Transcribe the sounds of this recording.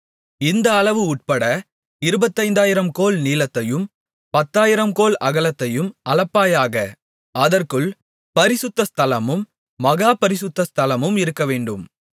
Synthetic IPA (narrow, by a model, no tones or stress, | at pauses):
ɪnd̪ɐːɭɐʋɯʊʈ̚pɐɽɐ | ɪɾɯbɐt̪ːɐɪnd̪aːjɪɾɐmkoːɭniːlɐt̪ːɐjɯm | pɐt̪ːaːjɪɾɐmkoːlɐɣɐɭɐt̪ːɐjɯmɐlɐpːaːjaːɣɐ | ɐðɐrkɯɭ | pɐɾɪsʊt̪ːɐst̪ʰɐlɐmɯmː | ɐɣaːpɐɾɪsɯt̪ːɐst̪ʰɐlɐmɯmɪɾɯkːɐʋeːɳɖɯm